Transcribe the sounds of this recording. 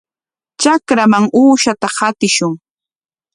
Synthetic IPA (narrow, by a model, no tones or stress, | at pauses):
t͡ʃakɾamaŋuːʃat̪ahat̪ɪʃʊŋ